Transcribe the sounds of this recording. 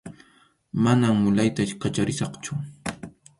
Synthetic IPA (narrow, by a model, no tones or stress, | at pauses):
manammʊlajt̪akat͡ʃaɾɪsɑχt͡ʃʊ